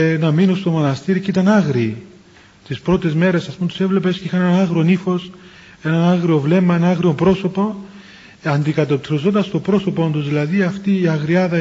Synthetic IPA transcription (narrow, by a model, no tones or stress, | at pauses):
nɐminust̪o̞mo̞nɐst̪iɾcit̪ɐnɐɣɾiː | t̪ispɾo̞t̪ezme̞ɾe̞sɐspumt̪use̞vle̞pe̞sceixɐneɐnɐɣɾonifo̞s | e̞nɐnɐɣɾiovle̞mɐe̞nɐɐɣɾiopɾo̞so̞po̞ | ɐnd̪ikɐt̪o̞p̚t̪ɾozo̞nd̪ɐst̪o̞bɾo̞so̞po̞nd̪uzðilɐðiɐft̪iːɐɣɾiɐðɐ